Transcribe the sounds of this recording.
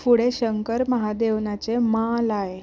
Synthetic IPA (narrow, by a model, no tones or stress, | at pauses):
fuɽeɕəŋkəɾməɦad̪eʋnat͡semãlae